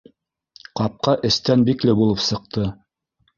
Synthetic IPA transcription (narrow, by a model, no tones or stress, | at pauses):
qɑp̚qɑʔɘ̆st̪ænbiklɘbulˠɤpsɤ̆q̚t̪ɤ